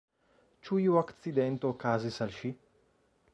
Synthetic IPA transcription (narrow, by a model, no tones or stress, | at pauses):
t͡ʃujuakt̪t͡sid̪ɛnt̪okaːzisɐlʃi